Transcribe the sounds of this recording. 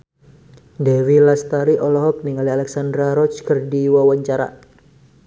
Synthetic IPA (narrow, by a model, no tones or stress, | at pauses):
dɛwilast̪aɾiʔɔlɔɦɔk̚niŋalialɛksandɾaɾɔt͡ʃkərdiwawaɲt͡ʃaɾa̰